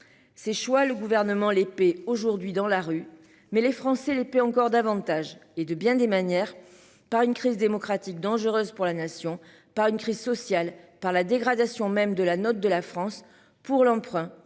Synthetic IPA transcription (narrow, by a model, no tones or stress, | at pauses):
seʃwaləɡuvɛʁnəmɑ̃lepɛoʒuʁd̪ɥid̪ɑ̃laʁy | mɛlefχɑ̃sɛlepeɑ̃kɔʁd̪avɑ̃t̪aʒed̪əbjɛ̃d̪emanjɛʁ | paʁynkχizd̪emɔkχat̪ik̚d̪ɑ̃ʒəʁøzpuʁlanasjɔ̃ | paʁynkχizsɔsjalpaʁlad̪eɡʁad̪asjɔ̃mɛmd̪əlanɔt̪̚d̪əlafχɑ̃s | puʁlɑ̃pχɛ̃